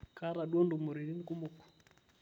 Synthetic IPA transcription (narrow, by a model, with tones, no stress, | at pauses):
ka˦ɾa˨ɗɔ˦ndu˨mu˨ɾi˨ɾi˦ni˦ku˦mu˨ku̥˨